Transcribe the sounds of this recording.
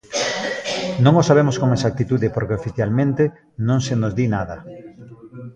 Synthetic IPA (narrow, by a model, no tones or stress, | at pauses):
nõŋosaβ̞emʊskoŋesak̚t̪it̪uðepoɾkeofiθjalmẽnt̪e | nõŋsenozd̪inaðɐ